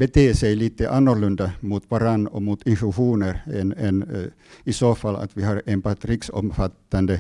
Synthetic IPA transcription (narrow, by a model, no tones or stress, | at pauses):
bet̪ʰeːsejliːt̪ːəʔɑnːɔɾlɵnd̪amut̪ʋɑɾɑnːomut̪ɪnfʉɧuːnəɾɛnɛn | isoːfɑlːa̰t̪ʋɪɦɑɾenpɑt̪ɾiksɔ̰mfat̪ːand̪ə